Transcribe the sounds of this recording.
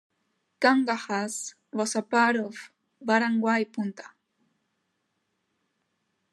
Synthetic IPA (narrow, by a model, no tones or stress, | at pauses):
kɑɴɢɑhas | wasapaɾof | baɾaŋɡwajpʊnt̪ḁ